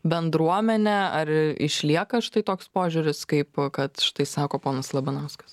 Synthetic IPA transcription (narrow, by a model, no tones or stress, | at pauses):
bʲɛnd̪ɾuɔmʲɛnʲɛɐrɪ̰ʃʲlʲiɛkɐʃɪ̥t̪ɐɪt̪oːkspoːʒʲʊɾʲʊskɐɪpkɐt̪ʃɪ̥t̪ɐɪsɑːkoːpoːnɐslˠɐbʲɐnɐʊskɐ̥s